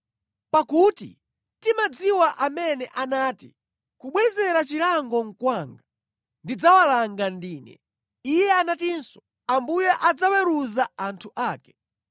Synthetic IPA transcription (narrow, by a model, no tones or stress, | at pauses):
pakuːtḭ | timad͡ziwaʔamɛnɛʔanaːtḭ | kuɓwɛzɛɾat͡ʃiɾaŋɡɔŋ̩kwaŋɡa | ndid͡zawalaŋɡandiːnɛ̰ | ijɛanatinsɔ̥ | ambujɛʔad͡zawɛɾuzaantʰuʔaːkɛ̥